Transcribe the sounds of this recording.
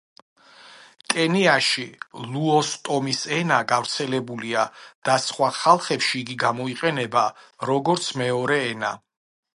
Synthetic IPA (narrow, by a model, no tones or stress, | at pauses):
kʼɛniaʃilˠuɔst̪ʼɔmisɛnaɡavɾt̪sʰɛlɛbuliad̪̥asχwaχalˠχɛpʃiːɡiɡamɔiqʼɛnɛbaɾɔɡɔɾt̪sʰmɛɔɾɛːna